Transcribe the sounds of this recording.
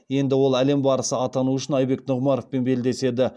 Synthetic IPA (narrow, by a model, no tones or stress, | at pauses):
je̞nd̪ɪwo̞lˠæle̞mbɑɾəsəɑt̪ɑnuəʃɪnɑjbe̞knʊʁmɑɾofpenbe̞ld̪e̞se̞d̪ɪ